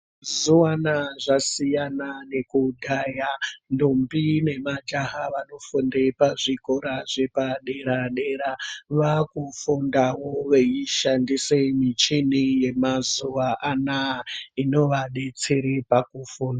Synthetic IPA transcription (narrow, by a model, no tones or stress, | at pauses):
zuwanaʐasijanane̞kudʱajandombine̞mad͡ʒaɦaʋano̞fundepaʐiko̞ɾaʐepaɗeɾaɗeɾaʋakufundawoʋejiʃandisemit͡ʃinije̞mazuʋaʔanaino̞ʋaɗe̞t͡se̞ɾepakufuːnda